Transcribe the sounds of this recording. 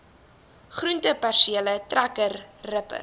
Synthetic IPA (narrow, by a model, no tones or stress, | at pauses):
χruntəpærʃiələtrækərːəpə̰r